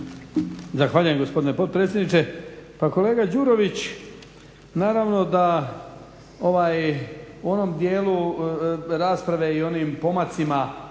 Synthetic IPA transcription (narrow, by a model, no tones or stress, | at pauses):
zaxʋaːʎujemɡo̞spo̞d̪ine̞po̞dt̪̚pɾet̪sʲjed̪nit͡ʃepako̞le̞ːɡad͡ʑuːɾo̞ʋit͡ɕ | naːɾaʋno̞d̪a | o̞ʋaːjuo̞no̞md̪jeːlu | ɾaːspɾaʋe̞io̞niːmpo̞mat̪sima